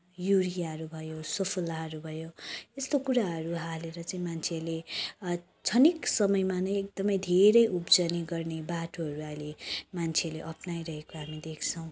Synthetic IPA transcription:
juɾijaɦʌɾubʱʌjosʌpʰulaɦʌɾubʱʌjoest̪okuɾaɦʌɾuɦaleɾʌt͡saĩmant͡sʰeʌrle | t͡sʰʌniksʌmʌjmanʌjek̚d̪ʌmʌjd̪ʱeɾʌjʔupd͡zʌniɡʌrnebaʈʰoɦʌɾuajlemant͡sʰeʌrleʔʌpnajɾʌɦekoɦamid̪ekʰt͡sʰʌw̃

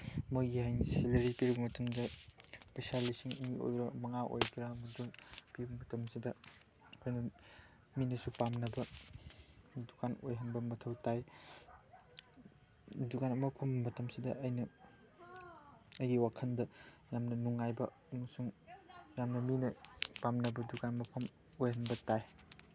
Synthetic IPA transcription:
moɡihajniselɐɾipiɾbɐmɐtɐmdɐpesalisiŋŋio̰jɾɐmɐŋaʔo̰jkʰiɾamɐduŋpiɾbɐmɐtɐmsidɐː | jnɐ | minɐsupamnɐbɐ | dukʰano̰jɦɐnbɐmɐtʰɐwtaj | dukanɐmɐpʰɐmːɐtɐmsidɐʔɐjnɐ | ɐjɡiwakʰɐndɐ | jamnɐnuŋajbɐ | ŋsuŋjamnɐminɐpamnɐbɐdukanmɐpʰɐm | ojɦɐnbɐtaj

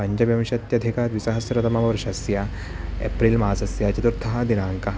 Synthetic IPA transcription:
ɐɲd͡ʑɐʋjɐʋʃɐt̪jɐd̪ʱikaːt̪ʋisɐɦɐsjɐɾɐt̪ɐmɐmɐpɾuʃɐsja | ḛpɾiːlmaasɐsjat͡ʃɐt̪uɾt̪ʰɐɦɐ̆d̪inaːŋkɐɦ

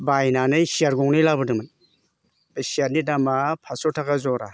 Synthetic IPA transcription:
bajnanɯjsiaɾɡɔŋnijlabɯdɯmɯn | esiatnidamapʰasɔtʰakazɔɾa

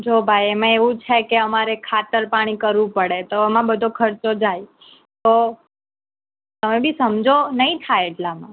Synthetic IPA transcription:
d͡ʒʱobʱajemẽeʋũt͡ʃʰekeəmaɾekʰat̪əɾpaɽ̃ikəɾʋũpəɽet̪oəmãbəd̪ʱokʰəɾt͡ʃod͡ʒaj | t̪o | t̪əmebʱisəmd͡ʒʱonəɦĩt̪ʰaeeʈlamã

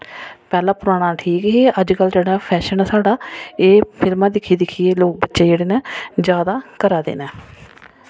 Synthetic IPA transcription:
pɛːlãːpʊɾaːɽ̃aːʈʰiːkɦeːʔəd͡ʒkəld͡ʒeːɽaːpʰɛːʃənːsaːɖaːeːpʰɪlmãːd̪ɪkʰːiːd̪ɪkʰijeːloːk̚bətːʃeːd͡ʒeːɽeːnɛ̃ːd͡ʒjaːd̪aːkəɾaːd̪ḛːnɛː

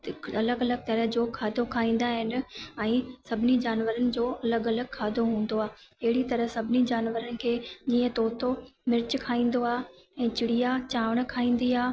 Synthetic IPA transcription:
ɐləɡɐləɡ̚t̪ɐɾəɦd͡ʑoːkʰaːd̪ʱokʰaːĩːn̆d̪aɦɪnɪ̆ɛ̃ːsɐbʱɪnid͡ʑaːnʋəɾənɪ̆d͡ʑoːɐləɡɐləɡkʰaːd̪ʱoɦũːn̆d̪oaːɪɦɪɽit̪ɐɾəɦsɐbʱɪnid͡ʑaːnʋəɾənɪ̆kʰeːd͡ʑiːə̃t̪oːt̪ʰomɪɾt͡ɕkʰaːĩːn̆d̪oaː | ɛ̃ːt͡ɕɪɽijat͡ɕaːʋəɽ̃̆kʰaːĩːn̆d̪iaː

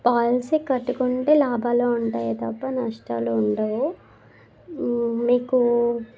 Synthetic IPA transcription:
paːlsikːɐʈːukuɳʈeːlaːbʱaːloːuɳʈaːjɐt̪ɐpːɐnɐʂʈaːloːuɳʈaːwu | miːku

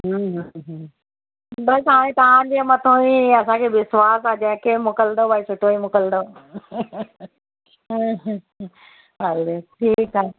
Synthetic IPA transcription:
ɦuɦəɦ | bɐst̪ɐʋãẽt̪ɐʋ̤ãd͡ʑemɐt̪ʰõĩɐsãkʰeːɪswaːsad͡ʑɛ̃ɦkemʊkəld̪obaisʊʈʰoimʊkəld̪o | ɦɐleʈʰiːkaːɦe

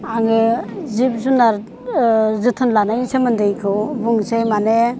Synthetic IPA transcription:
aŋɡezib̚zunaɾ | zɯt̪ʰɯnlanajsemənd̪ɯjkʰɯbuŋsemanɛ

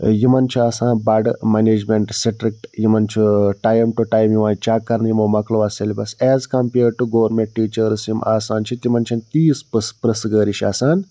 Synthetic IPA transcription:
jimɐnt͡ʃʰuaːsãːnbɐɖmeneːd͡ʒmeɳʈsiʈɾik̚ʈjimɐnt͡ʃʰuʈaːjmʈuʈaːjmjiʋãːt͡ʃaːkːɐɾnjimɐmɐklɐʋɐselʲibɐsɛːzkɐmpeːɾɖ̚ʈuɡoːʋɐɾmẽɳʈ̚ʈiːt͡ʃɐɾsjimʔaːsaːnt͡ʃʰit̪imɐnt͡ʃʰɐnt̪iːspɨspɾɐsɡəːɾiʃa̰ːsaːn

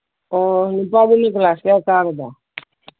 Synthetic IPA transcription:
onupabunek̬laːskakaːɾd̪a

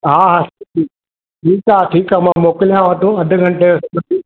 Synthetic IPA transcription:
ɦaːɦaːsʈʰiː | ʈʰiːkaːʈʰiːkaːmãːmoːkɪlijãʋət̪õɐd̪ʱʊ̆ɡʱɐ̃ɳʈesɐbət̪i

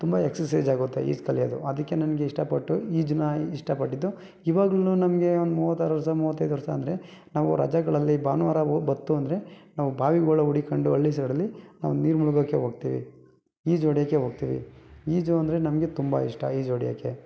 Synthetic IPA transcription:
t̪umbɐeksɐsɐjd͡ʒaːɡut̪ːḛḭːd͡ʒkɐlijɐd̪ṵʔɐd̪ɐkːe̞nɐnɐɡeiʂʈɐpɐʈːuiːd͡ʒunɐiʂʈɐpɐʈːid̪ːu | iːʋaːɡlɐluːnɐmɐɡe̞ond̪muːʋɐt̪ːaːɾuʋɐɾɐsɐmuːʋɐt̪̬ːɐjd̪uʋɐɾɐsɐːnd̪ɐɾe̞naːʋuɾɐ̰d͡ʒaɡɐɭɐlːibaːnʋaːɾɐbɐt̪ːuɐnd̪ɐɾe̞naːʋubʱaːʋiɡoːɭɐuɽikɐɳɖuɐɭːis̬ɐɽɐlːinaːʋuniːɾmuɭuɡɐkːeɦoːɡ̚t̪iːʋḭ | iːd͡ʒoːɽijakːeɦoːɡ̚t̪iːʋḭiːd͡ʒuɐnd̪ɐɾe̞nɐmɐɡe̞t̪umbɐ̰ḭʂʈɐ̰iːd͡ʒoːɽija̰ːkːe

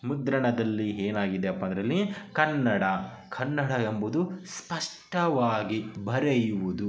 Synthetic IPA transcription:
mud̪ɾɐɳɐd̪ɐlːiɦeːnaːɡid̪eɐpːɐːnd̪ɾɐlːikɐnːɐɽɐ | kʰɐnːɐɽɐembud̪uspɐʂʈɐʋaːɡibɐɾejuʋud̪u

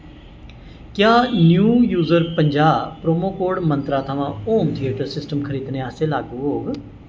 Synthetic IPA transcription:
kjaːnjuːjuːzəɾpəɲd͡ʒaːpɾoːmoːkoːɖmə̃nt̪ɾaːt̪ʰəʋãːoːmt̪ʰiːəːʈəɾsɪsʈəmkʰəɾiːd̪neːaːseːlaːɡuɦoːɡ

